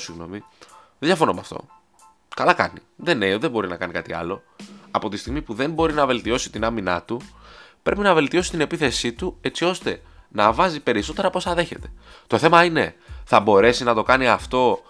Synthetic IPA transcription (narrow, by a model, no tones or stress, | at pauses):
siɣno̞̰mi | eðd̪ʝɐfonomɐ̰ft̪o̞̰ | kɐlɐkɐ̰niðe̞neðebo̞ɾinɐkɐnikɐt̪iɐ̰lo̞ɐpo̞t̪ist̪iɣmipuðe̞mbo̞ɾinɐve̞lt̪io̞si̥t̪inɐminɐ̰t̪upɾe̞pinɐve̞lt̪io̞si̥t̪ine̞piθe̞sit̪ue̞t͡sio̞st̪e̞ | nɐvɐzipe̞ɾiso̞t̪e̞ɾɐpo̞sɐðe̞çe̞t̪e̞̥t̪o̞θe̞mɐine̞θɐbo̞ɾe̞sinɐt̪o̞kɐniɐft̪o̞